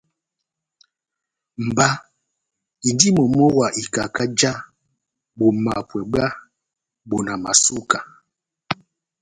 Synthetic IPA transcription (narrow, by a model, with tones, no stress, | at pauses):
m̩˨ba˦ | i˨ndi˦mɔ˨mɔ˦wa˨ʔi˨ka˨ka˦d͡ʒa˦ | ɓo˨ma˨pwɛ˨ɡ͡ba˦ | bo˨na˨ma̰˨su˦ka˨